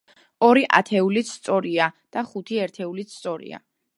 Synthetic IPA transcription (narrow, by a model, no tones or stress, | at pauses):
ɔɾiʔa̰t̪ʰɛulit̪st̪sʼɔɾiad̪̥aχut̪ʰiɛɾt̪ʰɛulit̪sʰt̪sʼɔɾḭa̰